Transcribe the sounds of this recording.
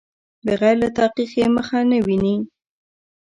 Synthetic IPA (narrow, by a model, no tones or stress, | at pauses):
d̪əɣajɾlat̪ɑqixjeməxanəwini